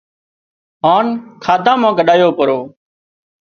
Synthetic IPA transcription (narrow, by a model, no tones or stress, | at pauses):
ɦaːnkʰaːd̪ãːmãːkəɗaːjoːpəɾoː